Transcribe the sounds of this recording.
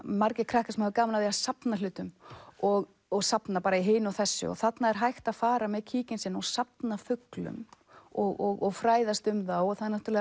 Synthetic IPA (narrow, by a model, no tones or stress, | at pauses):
maɾcɪkʰɾahkasɛmhɛvkaːmanaðiasapnalʏːt̪ʏmɔɣ | ɔɣsapnapaːɾaiɦeːnʏaθɛsːʏ̰ɔ̰ɣθat̪naɛɾ̥ɦajxt̪aðfaːɾamɛðcʰiːcɪnsɪnɔwsap̚nafʏklʏ̰m | ɔɣɔɣɔɣfɾaːjðast̪ʏmðaɔɣθaðɛɾnaht̪yɾlɛɣ